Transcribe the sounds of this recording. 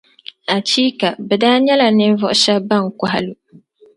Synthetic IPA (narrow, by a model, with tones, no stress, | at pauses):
a˨t͡ʃiː˦ka˨bɛ˨daː˦ɲɛ˦la˨nɪ˦vɔ˦ʔʃɛ˦ba˦˨ŋkʷa˦ɦa̰˦lu˨